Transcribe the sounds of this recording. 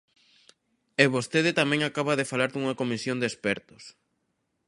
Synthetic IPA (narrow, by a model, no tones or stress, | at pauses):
eβost̪eðɪt̪amɛ̃ŋakaβaðɪfalaɾd̪uŋɐkomisjond̪espɛɾt̪ʊ̥s